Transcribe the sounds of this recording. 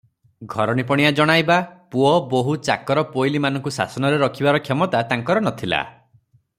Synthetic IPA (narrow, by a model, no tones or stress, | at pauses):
ɡʱɔɾɔnipɔɽ̃ijad͡ʒɔɽ̃ajbapuɔboɦut͡ʃakɔɾɔpojlimanɔ̃ŋkusa̰sɔnɔɾeɾɔkʰibaɾɔkʰjɔmɔt̪at̪aŋkɔɾɔnɔt̪ʰila̰